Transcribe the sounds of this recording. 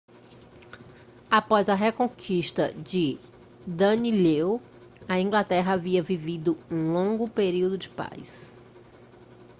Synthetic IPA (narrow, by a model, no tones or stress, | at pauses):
apɔjzɐɦekõkʰiʃt̪ɐ̰d͡ʒɪ | d̪ɐnilew | ɐĩŋɡlat̪ɛɦɐaviɐvivid̪ʊũlõɡʊpeɾiwd̪ʊd͡ʒɪpa̰js